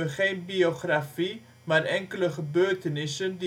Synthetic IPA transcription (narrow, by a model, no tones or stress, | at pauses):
əχeːnbioχrafi | maːɾɛŋkələχəbøːrtənɪsəndi